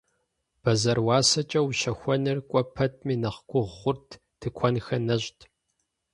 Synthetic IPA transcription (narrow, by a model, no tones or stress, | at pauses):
b̥ɐzɐrwɑːsɐt͡ʃʼɐwʃɐxʷɔnɨrkʷʼɔpʰɐtʰmiːnɐχkʷʼʊʁːʷʊrtʰ | d̥ʰɨkʷʰɔnxɐnɐʑtʰ